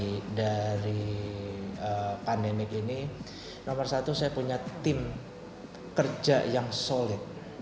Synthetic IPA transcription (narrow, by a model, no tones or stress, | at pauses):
daɾi | əpandemɪk̚ini | nomərsat̪usajapuɲat̪ɪm | kərd͡ʒa̰jaŋsolɪt̪̚